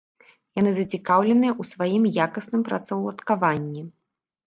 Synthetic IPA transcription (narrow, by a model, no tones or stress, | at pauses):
janɨzɐt͡sʲikawlʲɛnɨjɛʔusvajimjakɐsnɨmpɾɐ̰t̪sɐwlˠɐt̪kavanʲːi